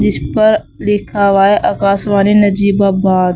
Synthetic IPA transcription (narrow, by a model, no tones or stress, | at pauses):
d͡ʒɪspəɾ | lɪkʰaʋaːeʔɐkaːsʋaːnenəd͡ʒiːbaːbaːd̪